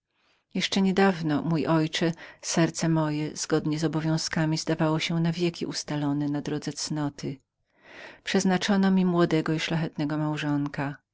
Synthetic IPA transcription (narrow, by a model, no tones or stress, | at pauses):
jɛʂt͡ʂɛɲɛd̪avnɔmujʔɔjt͡ʂɛsɛɾt̪sɛmɔjɛz̥ɡɔd̪ɲɛzɔbɔvʲjɔ̃w̃skamʲizd̪avawɔɕɛnavʲjɛkʲḭʔust̪alɔnɛnad̪ɾɔd̪zɛt̪snɔt̪ɘ | pʂɛznat͡ʂɔnɔmʲimwɔd̪ɛɡɔiʂlaxɛt̪nɛɡɔmawʐɔŋka